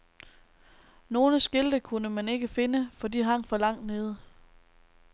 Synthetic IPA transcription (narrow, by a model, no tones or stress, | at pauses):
no̝ːləsɡ̥e̝ld̥əkʰunəmæne̝ɡ̥əfe̝nəfɒ̽d̥iɦɑ̈ŋ̰fɒ̽lɑ̈ŋ̰d̥ne̝ːð̞ˠə